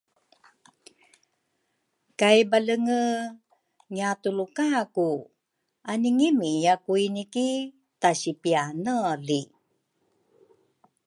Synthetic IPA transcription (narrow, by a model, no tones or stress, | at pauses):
kajbaləŋə | ŋiatulukaku | aniŋimijakuiniki | taɕipianəli